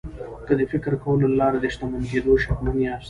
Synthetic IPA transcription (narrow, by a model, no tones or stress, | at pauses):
kəd̪əfɪkɾkawəlolɑɾad̪əʃt̪amanɡed̪oʃakmaniɑst̪